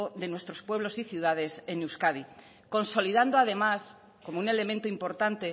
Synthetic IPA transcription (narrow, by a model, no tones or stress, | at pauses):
oðe̞nwe̞st̪ɾospwe̞β̞lo̞siθjuð̞að̞e̞se̞newskaði | ko̞nso̞liðand̪oað̞e̞mas | ko̞moune̞le̞mẽnt̪oimpo̞ɾt̪ant̪e